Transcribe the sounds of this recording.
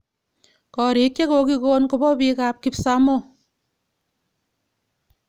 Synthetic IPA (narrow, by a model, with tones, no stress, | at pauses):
kɔ˨ɾi˨kje˦ko˨ki˦koː˦nko˨bɔ˦pi˦kaː˦p̚kipsa˦mo˦